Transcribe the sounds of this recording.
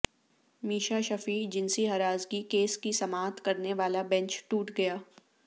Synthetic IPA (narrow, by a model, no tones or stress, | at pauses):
miːʃaʃɐfiːd͡ʒɪnsiɦɐɾaːzɡikeːskisɐmaːt̪kɐɾneʋaːlabɛ̃ɲt͡ʃʈuːʈɡɐjaː